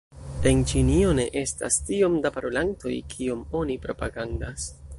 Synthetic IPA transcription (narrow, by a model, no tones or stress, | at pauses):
ent͡ʃinio̞ne̞ʔe̞sta̰stio̞mdapaɾolanto̞̰jkʰio̞mo̞nipɾo̞paɡandas